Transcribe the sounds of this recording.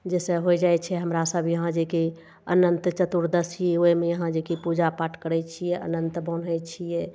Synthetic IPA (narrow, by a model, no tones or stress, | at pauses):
d͡ʒɛsə̃ɦojd͡ʒaɛt͡ʃʰɛɦəmɾasəbʱjəɦãd͡ʒeke | ə̰nənt̪t͡ʃət̪uɾd̪əsiɛojmejəɦãd͡ʒekepud͡ʒapaʈkəɾɛt͡ʃʰijɛə̰nənt̪bənɦɛt͡ʃʰijɛ